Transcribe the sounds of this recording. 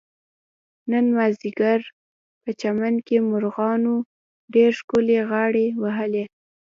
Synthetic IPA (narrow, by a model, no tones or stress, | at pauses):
nənmaziɡaɾ | pət͡ʃamankemʊɾɣɑno | ɖeɾʃkoleɣɑɽewaɦəle